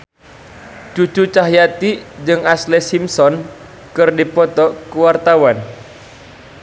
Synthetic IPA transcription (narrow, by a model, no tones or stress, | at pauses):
d͡ʒ̥ut͡ʃut͡ʃaɦjat̪id͡ʒɨŋaslɛsimsɔn | kɨrdipɔt̪ɔkəwart̪awan